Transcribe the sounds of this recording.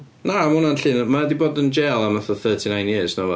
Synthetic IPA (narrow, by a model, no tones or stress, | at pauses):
naamʊnanɬɨːnmaɛdiboːdənd͡ʒɛːlˠamaθɔθɜːtʰinãjnjɪːsnɔvɔ